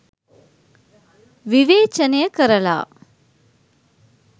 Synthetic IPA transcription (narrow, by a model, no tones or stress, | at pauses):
ʋiʋeːt͡ʃɐnejəkəɾɐla̰ː